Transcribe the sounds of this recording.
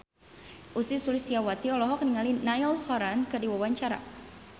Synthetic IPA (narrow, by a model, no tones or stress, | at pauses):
ʔusisulist̪iawat̪iɔlɔɦɔk̚niŋalinajlhɔɾankɨrdiwawaɲt͡ʃaɾa̰